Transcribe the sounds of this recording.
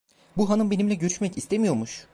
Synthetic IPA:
buɦanɯmbe̞nimlʲɛɟø̞ɾyʃmɛcist̪ʰemijo̞ɾmuʃ

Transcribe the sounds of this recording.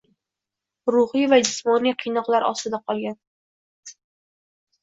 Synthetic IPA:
ɾʊhɪjvad͡ʒɪsmɒnijqʰɨjnɒqlaɾɒ̰st̪ɪd̪aqʰɒlˠɡʲan

